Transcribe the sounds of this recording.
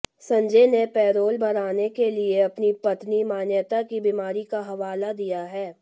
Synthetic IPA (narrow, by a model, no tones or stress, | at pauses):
sɐ̃ɲd͡ʒenepɛːɾoːlbɐɾaːnekelieɐpnipɐt̪nimaːnjət̪akibimaːɾikaɦɐʋaːlad̪ijaɦɛː